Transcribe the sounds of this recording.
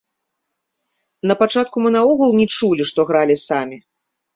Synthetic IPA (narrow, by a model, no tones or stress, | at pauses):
nɐpat͡ʂat̪̚kumɨnaɔɣɐlˠnʲɛt͡ʂulʲiʂt̪ɔɣɾalʲisamʲi